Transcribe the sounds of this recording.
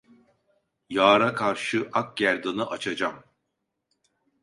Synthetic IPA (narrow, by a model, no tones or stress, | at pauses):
jaːɾakʰaɾʃɯʔak̚ɟæɾd̪ɯnɯʔat͡ʃʰad͡ʒam